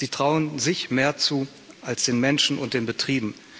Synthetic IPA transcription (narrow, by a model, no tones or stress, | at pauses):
ziːtʁ̥aʊənzɪçmeːɐt͡suː | ʔalsd̥eːnmɛnʃn̩ʊ̰nt̚d̥eːnbətʁ̥iːbm̩